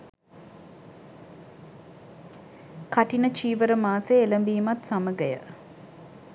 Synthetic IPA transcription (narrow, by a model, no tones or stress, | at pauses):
kaʈinət͡ʃiːʋəɾəmaːseeləmbiːmat̪saməɡəjə̰